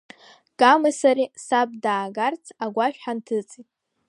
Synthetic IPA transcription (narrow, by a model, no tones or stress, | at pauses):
ɡ̥amɨsaɾisab̚daːɡart͡sʰaɡʷaʃᶣħantʰɨt͡sʼitʼ